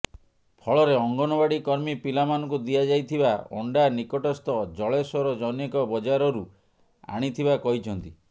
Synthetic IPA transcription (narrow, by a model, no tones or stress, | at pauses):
pʰɔɭɔɾeɔŋɡɔnɔbaɽikɔɾmipilamanɔŋkud̪iad͡ʒajt̪ʰibaɔ̰ɳɖanikɔʈɔst̪ɔd͡ʒɔɭesɔɾɔd͡ʒɔnekɔbɔd͡ʒaɾɔɾu | a̰ɽ̃it̪ʰibakɔɦit͡ʃʰɔnt̪i